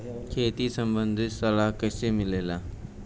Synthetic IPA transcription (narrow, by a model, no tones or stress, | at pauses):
kʰeːt̪isɐ̃mbə̃nd̪ʱɪsɐlaːɦkɐsemɪleːlaː